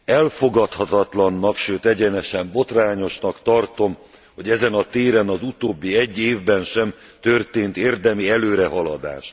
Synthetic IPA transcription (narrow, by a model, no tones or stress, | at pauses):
ɛlfo̞ɡɒt̪hɒt̪ɒt̪lɒnːɒkʃøːt̪ɛɟɛnɛʃɛmbo̞t̪raːɲo̞ʃnɒkt̪ɒrt̪o̞m | ho̞ɟɛzɛnɒt̪eːɾɛnɒzut̪oːbːiɛɟːeːvbɛnʃɛmt̪ø̞rt̪eːnt̪eːrd̪ɛmiɛløːɾɛɦɒlɒd̪a̰ːʃt